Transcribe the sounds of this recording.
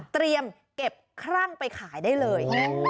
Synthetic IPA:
t̪ɾi˧əm | ke˨˩p̚kʰɾaː˥˩ŋpa˧jkʰaː˩˦jdaː˥˩jlɤː˧j

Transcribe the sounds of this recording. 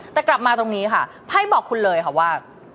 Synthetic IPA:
t̪ɛː˨˩kla˨˩p̚maː˧t̪o˧ŋniː˦˥kʰa˥˩ | pʰa˥˩jbɔː˨˩kʰːu˧nlɤː˧jkʰa˥˩waː˥˩

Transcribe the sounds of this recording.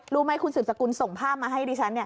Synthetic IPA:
ɾuː˦˥ma˦˥˩jkʰu˧nsɯː˨˩p̚sa˧ku˧nso˨˩ŋpʰaː˥˩p̚maː˧ɦa˥˩jdiː˧˩t͡ɕʰa˦˥nːi˥˩ɐ

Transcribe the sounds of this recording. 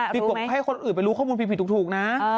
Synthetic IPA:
i˨˩ku˨˩ɦa˥˩jkʰo˧nʔɯː˨˩npa˧jɾuː˦˥kʰɔː˥˩muː˧pʰi˧pʰi˧˩u˨˩t̪ʰuː˨˩k̚na˦˥

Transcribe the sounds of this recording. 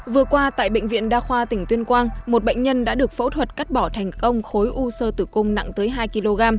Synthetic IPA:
vɨ˨˩əkwaː˧t̪a̰ː˧˨jɓḛ˧˨ŋ̟vḭ˧˨ənɗaː˧xwaː˧t̪ï˧˩ŋ̟t̪wi˧ənkwaː˧ŋmo˨˩t̚ɓə̰˧˨ŋ̟ɲə˧nɗa̰ː˧˥ɗɨ˨˩ək̚fo̰˧˥t̪ʰwə˨˩t̚ka˦˥t̚ɓɔ˧˩t̪ʰɛ˨˩jŋ̟kə˧wŋ͡mxo˨˦jʔu˧səː˧t̪ɨ˧˩kʊ˧ŋ͡mna̰˧˨ŋt̪əː˨˦jɦaː˧jki˧lo˧ɣaː˧m

